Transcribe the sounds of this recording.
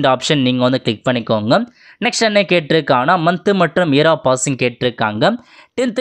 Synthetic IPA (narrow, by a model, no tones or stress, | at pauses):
ɳɖaːpʂɐnniːŋɡɐʋɐnd̪ɯklɪk̚pɐɳːɪkːoːŋɡɐ | nɛksʈɐnːekeːʈːɪɾɯkːaːnaːmɐnt̪ːɯmɐʈrɯmiːɾaːpaːsɪŋɡkeːʈːɪɾɯkːaːŋɡɐʈɪnt̪